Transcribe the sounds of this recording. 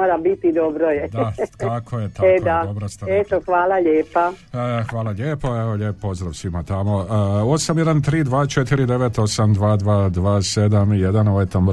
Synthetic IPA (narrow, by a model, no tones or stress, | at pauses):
oɾabit̪id̪obɾojɛd̪t̪akʰojet̪aeod̪aobɾost̪aet̪oxʋaːlaʎeːpaxʋaːlaʎeːpoeʋoʎeːppːpo̞zd̪ɾaʋsʋimat̪amo̞o̞samjed̪ant̪ɾiːd̪ʋaːt͡ʃe̞t̪iɾid̪e̞ʋe̞t̪o̞samd̪ʋaːd̪ʋaːd̪ʋaːsed̪amje̞d̪anoʋojt̪om